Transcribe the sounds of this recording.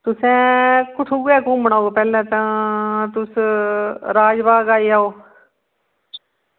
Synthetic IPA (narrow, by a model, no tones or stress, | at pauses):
t̪ʊsɛ̃ːkʊʈ̪ʰuːɡɛːkõːməɳaːoːpɛːlɛ̃ːt̪ãːt̪ʊs | ɾaːd͡ʒbaːɡaːiːaːoː